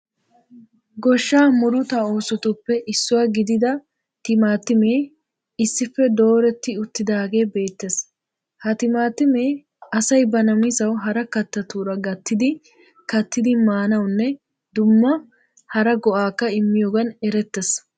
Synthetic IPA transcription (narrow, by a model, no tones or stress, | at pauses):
ɡɔʃːaːmʊɾʊt̪aoːsɔt̪ʊpːɛʔɪsːʊwaːɡɪd̪ɪd̪ɐ | t̪ɪmaːt̪ːɪme̞ː | ɪsːɪfːɛd̪o̞ːɾɛt̪ːɪʊt̪ːɪd̪aːɡe̞ːbe̞ːt̪ːes | hɐt̪ɪmaːt̪ɪme̞ː | ɐsɐjbɐnɐmɪsɐwɦɐɾɐkɐt̪ːɐt̪uːɾɐɡɐt̪ːɪd̪ɪ | kɐt̪ːɪd̪ɪmaːnɐwnːɛ | d̪ʊmːɐ | hɐɾɐɡɔʔaːkːɐɪmːɪjoːɡɐnɛɾɛt̪ːɛs